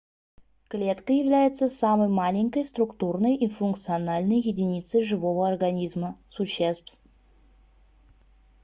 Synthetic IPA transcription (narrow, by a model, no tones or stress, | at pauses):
klʲe̞t̪kəjɪvlʲæjɪt̪səsaməjmalʲɪɲʲkəjst̪rʊkt̪urnəjʔifunk̚t̪sɨɐnalʲnəjjɪdʲɪnʲit̪səjʐɨvo̞vəorɡɐnʲizməsʊɕːest̪f